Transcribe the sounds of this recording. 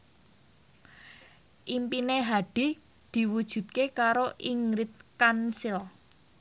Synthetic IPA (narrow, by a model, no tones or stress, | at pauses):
ʔimpineɦaɖ̥i̤ | d̪̥i̤wud̥ʒ̥ṳt̪̚kekaɾoʔiŋɾɪt̪̚kansɪl